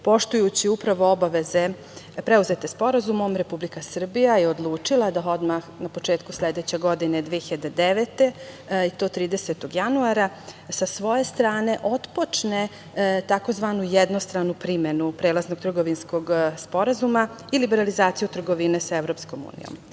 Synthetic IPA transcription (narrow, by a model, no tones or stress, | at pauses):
po̞ʃt̪ujut͡ɕiupɾaʋo̞obaʋe̞ze̞ | pɾeuze̞t̪espo̞ɾazumo̞mɾe̞publikasr̩bijajeod̪lˠuːt͡ʂilˠad̪ao̞d̪maxnapo̞t͡ʂe̞ːt̪kusled̪e̞t͡ɕe̞ɡo̞d̪ined̪ʋieçiʎad̪ed̪eʋet̪e̞it̪o̞ːt̪ɾiːd̪e̞se̞t̪oɡjanuaɾa | sasʋo̞je̞st̪ɾaːne̞ʔo̞t̪po̞t͡ʂne | t̪ako̞zʋanujed̪no̞st̪ɾanupɾimenupɾe̞ːlˠazno̞ɡ̚t̪r̩ɡo̞ʋinsko̞ɡspo̞ɾazuma | ilibe̞ɾalizaːt̪sijut̪r̩ɡo̞ʋinesaevɾo̞psko̞mṵːnḭjo̰m